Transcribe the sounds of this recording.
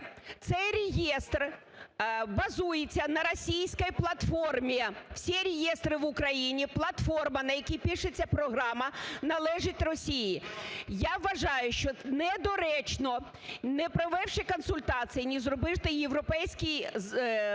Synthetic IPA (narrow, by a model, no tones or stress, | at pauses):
t̪sɛjɾʲejɛst̪r | bɐzujet͡sʲːɐnɐɾɔsʲijsʲkɐjplˠɐt̪fɔrmʲijɐw̥sʲiɾʲejɛst̪ɾɪʋʊkɾɐjinʲiplˠɐt̪fɔrmɐnɐjɐkʲipʲiʃɪt͡sʲːɐpɾɔɦɾɑmɐnɐlˠɛʒɪtʲrɔsʲijijaʋːɐʒɑjʊʃt͡ʃɔnɛd̪ɔɾɛt͡ʃnɔ | nɛpɾɔʋɛwʃɪkɔnsʊlʲt̪ɑt͡s̪ɨjinʲizrɔbɪʃt̪ɪjeʋɾɔpɛjsʲkʲij